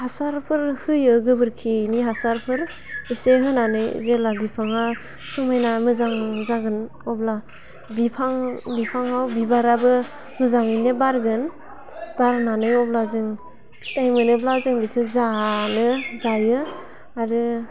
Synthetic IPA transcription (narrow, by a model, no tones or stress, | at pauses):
hasaɾpʰɯɾhɯjɯɡɯbɯɾkʰiniɦasaɾpʰɯɾ | iseɦɯnanɯjzelabipʰaŋa | sumajnamɯzaŋzaɡɯn | ɔbla | bipʰaŋbipʰaŋawbibaɾabɯ | mɯzaŋɯnebaɾɡɯn | b̥aɾnanɯjɔblazɯŋ | stajmɯnɯblazɯŋbipʰɯzanɯzajɯ | aɾɯ